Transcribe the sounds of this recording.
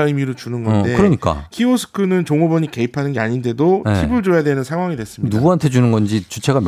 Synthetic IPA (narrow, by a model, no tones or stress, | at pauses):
ɯmiɾot͡ɕunɯnɡʌndekɯɾʌɲik͈a̰kʰiosʰɯ̥kʰɯnɯnt͡ɕoŋobʌɲike̞ipʰanɯnɡeaɲinde̞doibɯɭd͡ʑojadwe̞nɯnsʰaŋwaŋidwes͈ɯmɲinuɡuantʰe̞d͡ʑunɯnɡʌnd͡ʑit͡ɕut͡ɕʰe̞ɡam